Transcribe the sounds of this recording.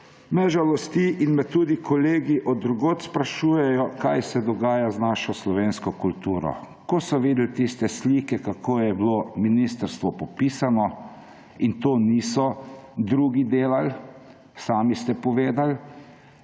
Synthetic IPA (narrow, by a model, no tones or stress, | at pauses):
mɛʒalɔst̪iʔinmɛt̪ːuːd̪ikʰɔleːɡiʔɔd̪ɾuɡoːt̪spɾaʃuːjɛjɔkajsɛd̪ɔɡaːjaznaʃɔslɔʋeːnskɔkult̪uːɾɔ̰ | kɔsɔʋiːd̪lt̪ist̪ɛsliːkɛkakʰoːjɛblominist̪əɾst̪ʋɔpɔpiːsanɔ | int̪oːniːsɔd̪ɾuːɡid̪eːlal | saːmist̪ɛpɔʋeːd̪al